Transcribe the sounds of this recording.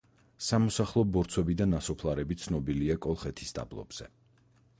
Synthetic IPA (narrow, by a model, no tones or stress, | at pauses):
samɔsaχlˠɔbɔɾt̪sʰwɛbid̪anːasɔpʰlˠaɾɛbit̪sʰnɔbiliakʼɔlˠχɛt̪ʰi̥sd̪a̰blˠɔ̰bz̥ɛ